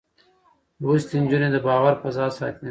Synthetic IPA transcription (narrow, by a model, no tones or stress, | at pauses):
ust̪inʲd͡ʒuned̪əbɑːwɐɾpɐzɑːsɑ̰ːt̪ne